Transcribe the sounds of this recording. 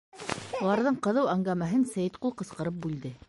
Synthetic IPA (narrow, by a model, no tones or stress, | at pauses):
ulˠɑɾðɤɴqɤ̆ðɤwæŋɡæmæɦɘnsæjɘt̪qulˠqɤ̆sqɤ̆ɾɤp̚bʉld̪ɘ